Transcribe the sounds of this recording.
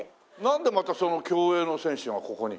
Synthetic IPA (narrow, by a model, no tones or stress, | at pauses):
nãnd̪e̞mat̪aso̞no̞kʲo̞ːeːno̞sẽ̞ɰ̃ɕɨ̃ɰ̃ako̞ko̞ɲ̟i